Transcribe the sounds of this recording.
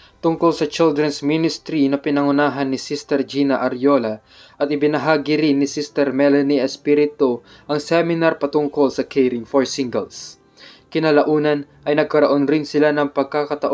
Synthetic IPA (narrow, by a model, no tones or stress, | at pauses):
t̪ʊŋko̞lsɐt͡ʃɪld̪ɾɛnsminɪst̪ɾinɐpɪnɐŋʊnaːɦɐnːɪsist̪ɛɾd͡ʒinɐʔɐɾjolɐ | ʔɐt̪ɪbɪnɐɦaːɡɪɾɪnːɪsist̪ɛɾmɛlɐniɐspiɾɪt̪o | ʔɐŋsɛmɪnaɾpɐt̪ʊŋko̞lsɐkʰɛjɾɪŋfoɹsɪŋɡɛ̰ls | kɪnɐlɐʔuːnɐnʔɐjnɐɡ̚kɐɾɐʔonɾɪnsɪlanɐŋpɐɡ̚kakɐt̪ɐʔo